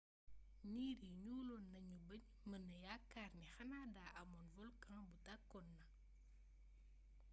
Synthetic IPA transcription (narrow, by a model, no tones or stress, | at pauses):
niːɾiɲuːlɔnːɐɲubəɲ | mənːɐjakːaːrnixɐnaːdaːʔɐmɔnvɔlkãŋbutɐkːɔnːɐ